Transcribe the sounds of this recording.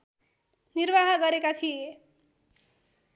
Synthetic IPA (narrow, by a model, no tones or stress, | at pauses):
nirbaɦʌɡʌɾekat̪ʰije